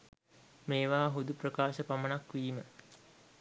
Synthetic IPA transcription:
meːʋaːɦud̪uprəkaːʃəpamənakʋiːmə

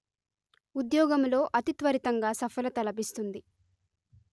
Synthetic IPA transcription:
ud̪jɔːɡɐmlo̞ːʔɐt̪it̪ʋɐɾit̪ɐŋɡaːsɐfʰɐlɐt̪ɐlɐbist̪und̪i

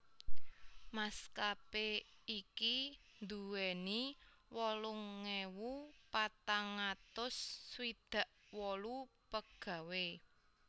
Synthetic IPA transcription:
maskapeiki | nd̪uwɛni | wɔlʊŋːewupat̪aŋat̪ʊsːwid̪̥a̤ʔwɔlupəɡ̥ä̤we

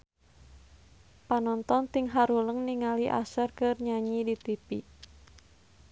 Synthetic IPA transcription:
panɔnt̪ɔnt̪iŋɦaɾuləŋniŋaliʔa̰sərkɨrɲaɲidit̪ipḭ

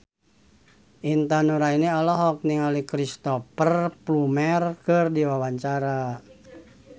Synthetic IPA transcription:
ʔint̪anuɾainiɔlɔɦɔk̚niŋalikɾist̪ɔpərplumɛrkɨrdiwawaɲt͡ʃaɾa

